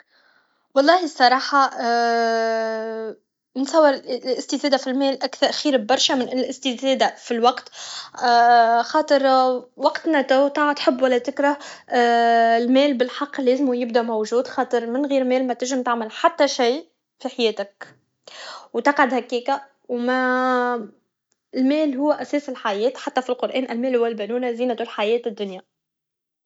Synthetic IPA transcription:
wɑlˤːɑːhisˤːɑɾˤɑːħɑ | nsˤɑwːɪɾlʔɪst̪izɛːd̪afilmɛːlʔækθɑɾxiːɾbɑɾˤʃamɪnʔɪnːlɪst̪izɛːd̪afilwɑqt̪ː | xɑːt̪ˤɨɾwɑqt̪næt̪æwt̪ɑʕt̪ħɪbːwælːæt̪ɪkɾah | lmɛːlbɪlħɑqːlɛːzɪmujɪb̚d̪æmowʒuːd̪xɑːt̪ˤɨɾˤmɪnɣiːɾmɛːlmæt̪ɪʒɪmt̪aʕmalħat̪ːæʃij | fiħajɛːt̪ɪk̚ | wt̪ɑqʕad̪hækːiːka | wmæ | ɪlmɛːlɦʊwːæʔæsɛːsɪlħajɛːt̪ħat̪ːæfilqʊɾʔɛːnʔɪlmɛːlhʊwːælbænuːnaziːnat̪ulħajɛːt̪ɪd̪ːʊnja

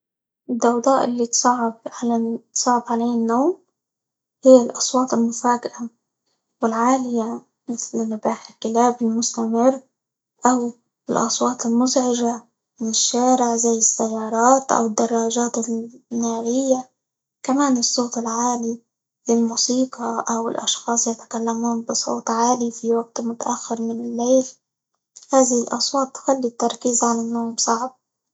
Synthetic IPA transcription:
ʔɪd̪ːɑwd̪ˤɑːʔɪlːit̪sˤɑʕbʕalat̪sˤɑːʕɪb̪ʕaleːnːoːm | hɪjːalʔɑsˤwɑːt̪ˤɪlmʊfaːɡɪʔa | wɪlʕaːlɪja | mɪθlɪnːʊbaːħɪlkɪlaːbɪlmʊst̪amɪrː | ʔaw | ɪlʔɑ̰sˤwɑːt̪ˤɪlmʊzʕɪʒa | mɪnɪʃːaːɾɪʕzajːɪsːajːɑːɾˤɑːt̪ʔa̰wɪd̪ːɑrˤːɑːʒaːt̪ɪnaːɾɪjːa | kamaːnɨsˤːoːt̪ˤɪlʕaːli | lɪlmuːsiːqɑʔawɪ̰lʔɑ̰ʃxɑːsˤjat̪ḁkalːamuːnbɪsˤo̰ːt̪ˤʕaːlifiwaɡ̚t̪mʊt̪aʔaxːɪɾmɪnɪlːeːl | haːðɪhɪlʔɑ̰sˤwɑːt̪ːxalːit̪ːɑɾˤkiːzʕalanːoːʕmsˤɑʕb̚

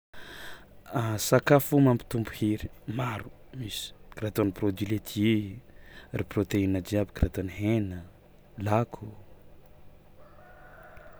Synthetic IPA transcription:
asakafumampi̥t̪umbu̥hiɾimaɾu̥ | misi̥kɾat̪oniprod̪ilet̪ʰii | riprot̪einad͡ʒiabikrat̪aniɦenə | lakʰu

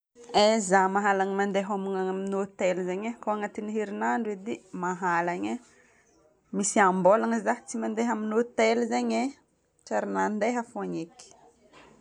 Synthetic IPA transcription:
ezamaɦalaɲimand̪eɦaminaaminot̪elzaɲakoaŋat̪iniɦeɾinaɳɖ͡ʐwed̪emaɦalaɲa | misiambolaŋəzaɦt͡simand̪eɦaminot̪elzaɲe | ʈ͡ʂaɾinand̪eɦəfoaɲeki̥

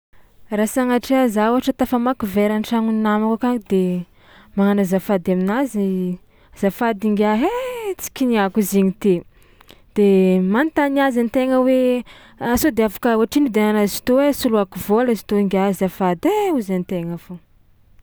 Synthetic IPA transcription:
rasaŋaʈ͡ʂiazauaʈ͡ʂət̪afamakuveɾanʈ͡ʂaŋunnamakakaŋid̪e | maŋanazafad̪aminazi | zafad̪iŋɡʲaɦet͡si̥kʲiniakuziɲit̪e | d̪̥emant̪aniazanit̪eŋəwe | asod̪eavḁkəoaʈ͡ʂinid̪enanazi̥t̪owesuluakuvolazi̥t̪oiŋɡʲazafad̪euzanit̪eŋəfo

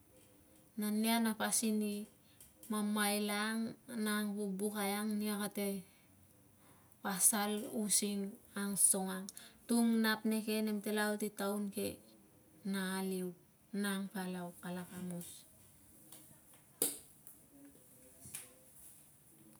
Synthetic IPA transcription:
nanianapasini | mamajlaŋnaŋpubukajaŋniakate̞ | pasalusiŋaŋso̞ŋaŋtuŋnapne̞ke̞nemtelawtitawnke̞ | naːliw | naŋpalawkalakamus

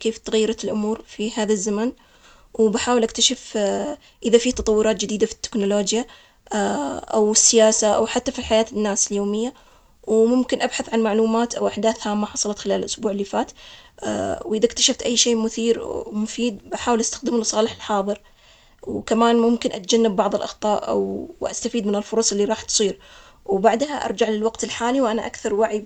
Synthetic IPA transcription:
keːft̪aɣajːɾˤɑt̪ɪlʔʊ̰muːɾfihaːðazːaman | wbaħaːwɪlʔak̚t̪aʃaf | ʔɪðafiːt̪ɑt̪ˤɑwːʊɾɑːt̪̚d͡ʒɪd̪iːd̪afi̥t̪ːɪ̥knʊloːd͡ʒja | ʔawɪsːɪjaːsaʔa̰wħat̪ːafilħajaːt̪ɪnːaːsɪljoːmɪjːa | wmʊmkɪnʔabħaθʕanmaʕluːmaːt̪ʔawʔaħd̪aːθhamːaħɑsˤɑlɑt̪xɪlaːllʔʊsbuːʕɪlːiːfaːt̪ː | wʔɪðakt̪ḁʃaft̪ʔajːʃeːmʊθiːɾmʊfiːd̪̚bʔaħaːwɪlʔast̪ḁxd̪ɪmlɑsˤɑːlɪħɪlħɑːðˤɨɾ | wkamaːnmʊmkɪnʔat̪̚d͡ʒanːabːɑʕðˤɨlʔɑ̰xt̪ˤɑːʔʔa̰wʔa̰st̪afiːd̪mɪnɪlfʊɾˤɑsˤʔɪlːiɾˤɑːħt̪sˤiːɾ | wbaʕd̪haʔɑ̰ɾˤd͡ʒaʕlɪlwaqt̪ɪlħaːliwʔanaʔakθɑɾˤwaʕi

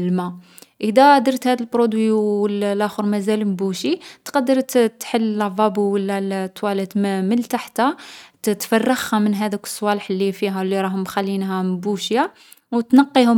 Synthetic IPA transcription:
lma | ʔəd̪æʕd̪əɾˤt̪hæd̪əlbɾod̪wiəllʔæxəɾmæzælmbuʃit̪qɑd̪ːəɾˤt̪t̪ħəlːvˤɑbuwəlːæt̪ːwælət̪mməlt̪aħt̪æt̪fɑrˤːɑɣhæmənɦæd̪əkə̥sˤːwɑləħlːifiɦælːiɾˤɑɦʊmːxælːinɦæmbuʃja | wt̪nɑqːihʊ

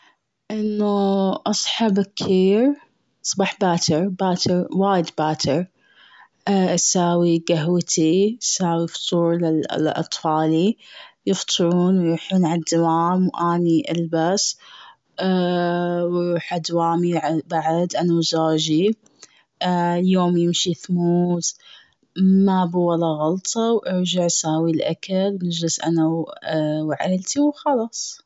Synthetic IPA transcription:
ʔɪnːuʔɑsˤħɑbkkiːɾ | sˤbɑːħbaːt̪ʰɪɾbaːt̪əɾwaːjɪd̪baːt̪ʰɪɾ | ʔasaːwiɡaɦwt̪ʰiasaːwift̪ˤʰuːɾlɪl̰ʔɑ̰t̪ˤfɑːlijɨft̪ˤʰɨɾuːnwjuːħuːnʕad̪ːawaːmwʔaːniʔa̰lbas | ɾːħʔad̪waːmibaʕd̪ʔanawzaːd͡ʒi | ljoːmjɪmʃiθmuːz | mabuwalːaɣɑlt̪ˤʰɑwʔɪɾd͡ʒaʕsaːwilʔakalnɪd͡ʒlɪsʔa̰nawwʕa̰lt̪iwxɑlɑːsˤ

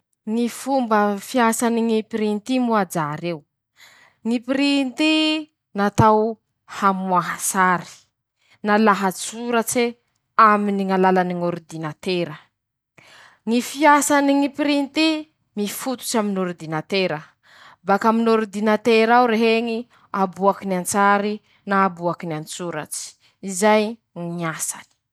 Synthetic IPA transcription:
ŋifumbəfiasaniŋipiɾint̪imuad͡zaɾew | ŋipiɾint̪i | nat̪aw | hamuaɦasaɾi̥ | nalaɦat͡suɾət͡se | aminiŋalalaniŋoɾud̪inat̪eɾə | ŋifiasaniŋipiɾint̪i | mifut̪u̥t͡ʃaminoɾid̪inat̪eɾə | bakaminoɾid̪inat̪eɾawɾeɦeŋi | abuakinant͡saɾi | naːbuakinant͡suɾa̰t͡ʃi̥ | izaj | ŋiŋasa̰ni̥

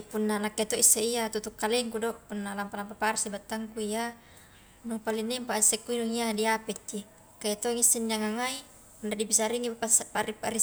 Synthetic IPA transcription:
punːanakːet̪oʔisːeiat̪ut̪ukːaleŋkudoʔpunːalampalampaparsibat̪ːaŋkuija | nupalinːimpaʔisekːuinuŋiadiapɛt̪ːi | kait̪oŋisːinːiaŋaŋai | pundadibisaɾiŋiasparipaɾi

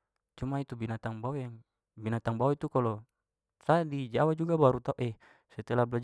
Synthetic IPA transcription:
t͡ʃumait̪ubinat̪aŋbajaŋ | binat̪aŋbawit̪ukalɔ | sadid͡ʒawad͡ʒuɡabaɾut̪auʔɛ | sɛt̪elablad͡ʒ

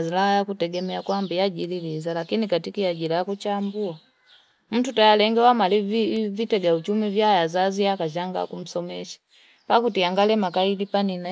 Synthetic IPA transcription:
zilaajakutɛɡɛmɛakwambijaɟililizalakinikatikiaɟilajakut͡ʃambua | m̩tutajalɛŋɡɛwamalivitɛɡaut͡ʃumivjajazaziakaʒaŋɡa̰kum̩sɔmɛʃḁ | pakutiaŋɡalɛmakailipanina

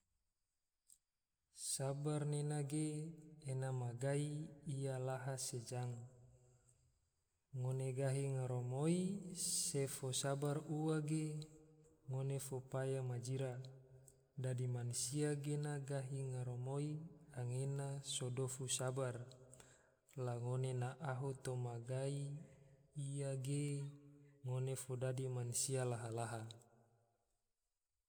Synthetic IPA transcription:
sabarnenaɡeː | namaɡaiːjalaɦased͡ʒaŋ | ŋoneɡaɦiŋaɾomoisefosabaruaɡe | ŋonefopajamad͡ʒiɾa | dadimanusiaɡenaɡaɦiŋaɾomoiaŋenasodofusabar | laŋonenaʔaɦut̪omaɡaiː | jaɡe | ŋonefodadimanusialaɦalaɦa

